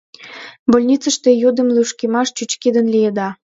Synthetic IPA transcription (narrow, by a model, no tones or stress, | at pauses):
bolʲnʲit͡sə̆ʃt̪ejud̪əmlyʃkemɑʃt͡ɕut͡ɕkid̪ənlijed̪ɑ